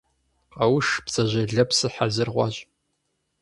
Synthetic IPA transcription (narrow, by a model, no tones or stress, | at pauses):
qɐwʊʂpt͡sʼɐʑɐɮɐpsɨħazɨrʁʷɑ̰ɕʼ